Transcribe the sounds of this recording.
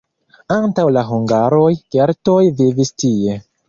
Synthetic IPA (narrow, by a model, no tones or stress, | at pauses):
antawlaɦuŋɡaɾojkeɾtojvivistie̞